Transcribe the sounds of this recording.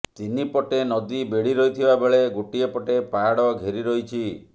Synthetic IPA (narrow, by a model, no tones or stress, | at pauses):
t̪inipɔʈenɔd̪ibeɽ̤iɾɔit̪ʰibabeɭeɡoʈiepɔʈepaɽɔɡʱeɾiɾɔɦit͡ʃʰi